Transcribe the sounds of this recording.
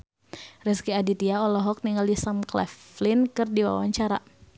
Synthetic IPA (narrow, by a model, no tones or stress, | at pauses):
rɛskiadit̪iaɔlɔɦɔk̚niŋalisamklɛ̰flɪnkɨrdiwa̰wa̰ɲt͡ʃaɾa